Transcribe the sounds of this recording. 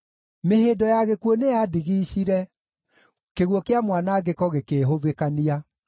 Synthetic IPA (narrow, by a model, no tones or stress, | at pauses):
meheːdɔjaɣekuonejadiɣiːɕiɾɛ | keɣwɔkeamwanaɡekɔɣekeːɦovekania